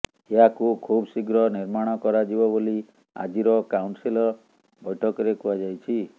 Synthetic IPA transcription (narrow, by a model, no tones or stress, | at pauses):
eɦakukʰubsiɡɾɔniɾmaɽ̃ɔkɔɾad͡ʒibɔboli | a̰d͡ʒiɾɔkawɳsilɔ | bɔjʈʰɔkɔɾekuad͡ʒajt͡ʃʰi